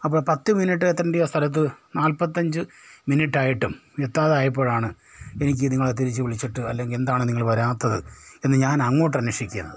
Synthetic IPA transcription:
ɐp̬ːo̞ːɭpɐt̪ːɨminiʈːɨet̪ːɐrɐɳɖijoːst̪ʰɐlɐt̪̬ːɨnaːlpɐt̪ːɐɲd͡ʑɨminiʈːaːjiʈːumjet̪ːaːðaːjɐp̬ːo̞ːɻaːɳɨ | e̞nik̬ʲːɨniŋːɐɭet̪̬ːiɾit͡ɕːɨʋiɭit͡ɕːiʈːɨɐ̰lːe̞ŋɡile̞nd̪aːɳɨniŋːɐɭpɐɾaːt̪ːɐðɨe̞nːɨɲaːnɐŋːo̞ːʈ̬ːɐnːɐʂikʲːunːɐ̰ðɨ

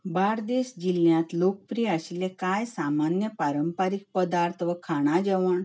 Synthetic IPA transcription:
baɾd̪eɕd͡ʑiljãt̪lokəpɾijɛaɕilekajsamanjəpaɾəmpaɾik̚pəd̪aɾt̪ʰʋəkʰaɽ̃ad͡ʑɛʋaɳ

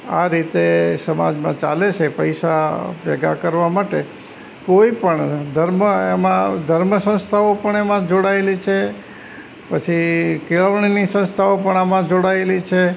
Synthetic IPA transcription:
a̰ɾit̪esəma̰d͡ʒmãt͡ʃa̰let͡ʃʰepəjʃapɛɡa̰kəɾʋamaʈe | koipəɳd̪ʱəɾməemãd̪ʱəɾməsə̃ñst̪ʰaopəɳemãd͡ʒoɽaelit͡ʃʰe | pət͡ʃʰikeəʋɳnisə̃st̪ʰaopəɳamãd͡ʒoɽaelit͡ʃʰe

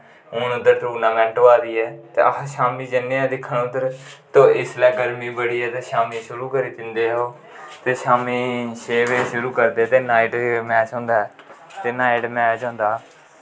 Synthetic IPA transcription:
ʊːnʊd̪əɾt̪ɾuːnãːmɛ̃ːɳʈoːaːd̪iːɛːt̪ḛːəʃaːmiːd͡ʒənːẽːãːd̪ɪkʰːəɳʊd̪əɾt̪õːɪslɛːɡəɾmĩːbəɽiːɛːt̪eːʃaːmiːʃʊɾuːkəɾiːt̪ɪnd̪eːɦoː | t̪eːʃaːmiːʃeːʋeːʃʊɾuːkəɾd̪eːt̪eːnaːɪʈmɛːt͡ʃɦõːnd̪aːɛːt̪eːnaːɪʈmɛːt͡ʃɦõːnd̪aː

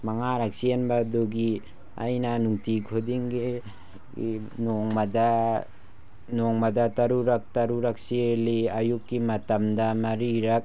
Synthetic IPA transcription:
mɐŋaɾak̚sienbaduɡi | a̰jnanuŋtikʰodiŋɡi | ɡi | nɔŋmɐda | nɔŋmadatɐɾuɾɐk̚tɐɾuɾak̚sieliajukːimɐtɐmdamɐɾiɾɐk̚

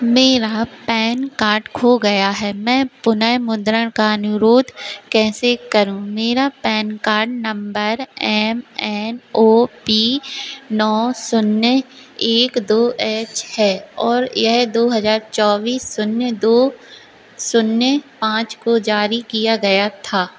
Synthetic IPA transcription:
meːɾapɛːnkaːɾɖkʰoɡɐjaɦɛːmɛ̃ːpʊnəɦmʊ̃nd̪ɾəɽ̃kaɐnʊɾoːd̪ʱkɛːsekɐɾũmeːɾapɛ̃ːnkaːɾɖnɐ̃mbəɾɛːmɛːnoːpiːnɔːsʊnːə | eːkd̪oːʔɛːt͡ʃhɛːɔːɾjɛɦd̪oːɦɐzaːɾt͡ʃɔːʋiːsːʊnjəd̪oː | sʊnjəpãːt͡ʃkod͡ʒaːɾikijaɡɐjat̪ʰaː

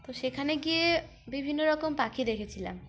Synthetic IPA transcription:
t̪oʃekʰaneɡije | bibʱinːoɾɔkompakʰid̪ekʰet͡ɕʰila̰m

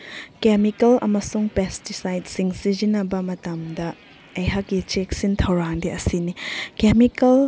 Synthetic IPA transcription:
kemikɐlʔɐ̰mɐsuŋpestisajd̚siŋsizinɐbɐmɐtɐmdɐ | ɐjɦakːit͡ʃek̚sintʰɐwɾaŋdiʔɐsinikemikɐl

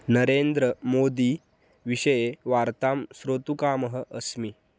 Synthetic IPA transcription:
nəɾend̪ɾəmod̪i | ʋiɕəjeʋaɾt̪amsɾot̪ukaːməɦəʔəsmi

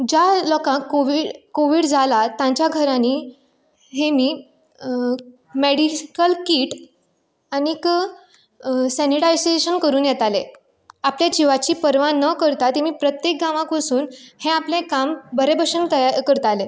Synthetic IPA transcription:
d͡ʑalɔkãkːoʋiɽkoʋiːɽd͡zalat̪jãɲt͡ɕjaɡʱəɾãni | ɦemiː | meɽikəlkiːʈ | anik | sɛniʈajseɕənkəɾuːnjɛt̪ale | apljad͡ʑiʋat͡ɕiːpəɾʋãnəkəɾt̪at̪emiːpɾət̪jek̚ɡaʋãkʋəsuːnhẽaplẽkambəɾebəɕənt̪əjakəɾt̪ale

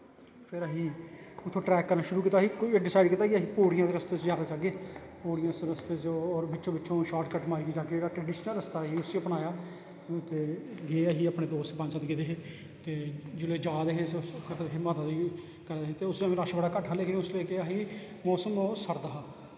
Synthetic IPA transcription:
pʰɪɾəɦiːʊt̪ʰːõːʈɾɛːkːəɾnaːʃʊɾuːkiːt̪aːɦiːkeːɖɪsaːɪɖkiːt̪aːɡiəɦiːpoːɽɪjãːd̪eːɾəst̪eːt͡ʃd͡ʒaːd̪aːd͡ʒaːɡeː | poːɽɪjãːsɾəst̪eːt͡ʃɔːɾbɪːʃõːbɪtːʃõːʃaːɾʈkəʈmaːɾiid͡ʒaːked͡ʒeɽaːʈɾəːɖɪʃnəlɾəst̪aːɦiːʊsipənaːjaː | t̪eːɡeːaɦiːəpɽẽːd̪oːst̪pə̃ɲd͡ʒsaːt̪ɡeːd̪eːɦeː | t̪eːd͡ʒʊleːd͡ʒaːd̪eːɦeːsk̪ːɦeːmaːd̪aːd̪iː | kəɾd̪eɦet̪eːʊsẽːɾaːʃbəɽaːkəʈʰːaːleːkɪnʊsleːkeəɦiː | mɔːsəmoːsəɾd̪əɦaː

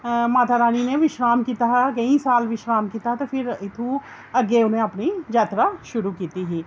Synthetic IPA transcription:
maːt̪ʰaɾaːninẽʋɪʃɾaːmkiːt̪aɦkɐĩsaːlʋɪʃɾaːmkiːt̪aɦt̪opʰɪɾɪt̪ʰũ | ɐɡeʊnẽɐpnid͡ʒaːt̪ɾaʃʊɾukiːt̪iɦiː

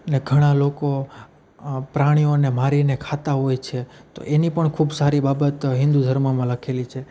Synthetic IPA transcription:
əneɡʱəɽ̃aloko | pɾaɽ̃ionemaɾinekʰat̪aɦojt͡ʃʰet̪o̰ʔenipəɳkʰubsaɾibabət̪ɦɪ̃nd̪ud̪ʱəɾmamãləkʰelit͡ʃʰe

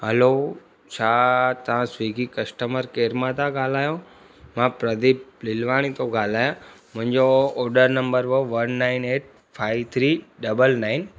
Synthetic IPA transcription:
ɦəlo | t͡ʃʰat̪ɐʋ̤ãsʋiːɡʱikɐsʈəməɾkeːɾmãt̪ãɡaːlaːjo | mãpɾəd̪ip̚lɪlʋaːɽ̃it̪oɡʱaːlaːjãmʊ̃ɦɪ̃ɲd͡ʑoːɖəɾnə̃mbəɾʋoʋənːaːɪneːʈ̚ | fʰaːɪʋt̪ʰɾiːɖɐbəlnaːɪn

